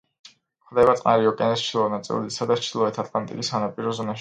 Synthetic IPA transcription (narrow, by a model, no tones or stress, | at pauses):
χd̪ɛbat̪sqʼnaɾiɔkʼɛnɛst͡ʃʰilˠɔɛnat̪sʼḭl̰ˠd̪isad̪at͡ʃ̪ʰilˠɔɛt̪ʰat̪ʰlˠant̪ʼḭkʼisanapʼiɾɔzɔnaʃ